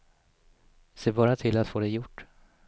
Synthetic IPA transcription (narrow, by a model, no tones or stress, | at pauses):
seːbɑːɾat̪ʰɪlat̪foːd̪ɛjʊʈː